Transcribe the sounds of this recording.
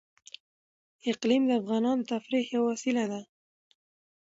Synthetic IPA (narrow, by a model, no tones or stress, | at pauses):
ɪqlimd̪əafɣɑnɑnot̪afɾihjawasilad̪a